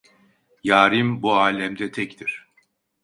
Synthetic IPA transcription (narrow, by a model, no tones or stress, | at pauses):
jaːɾimbuaːlʲɛmd̪ɛt̪ʰɛct̪ʰiɾ̥